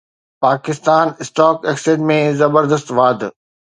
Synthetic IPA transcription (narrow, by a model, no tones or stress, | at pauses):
paːkɪst̪aːnɪsʈɔːkɛkseʈmẽzɐbəɾd̪əst̪ʋaːd̪